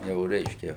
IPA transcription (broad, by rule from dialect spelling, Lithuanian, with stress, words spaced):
ˈjɛʊ ˈrʲɛɪʃʲkʲɛ